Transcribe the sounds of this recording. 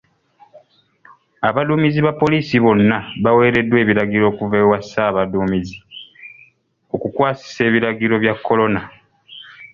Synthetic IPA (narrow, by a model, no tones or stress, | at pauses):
aβaluːmiziβapːo̞liːsiβo̞nːaβawe̞ːɾe̞dːwe̞ːβiɾaɡiɾo̞ːkuveːwasaːβaduːmizi | o̞kukwaːsi̥se̞ːβiɾaɡiɾo̞βjakʰːo̞lo̞na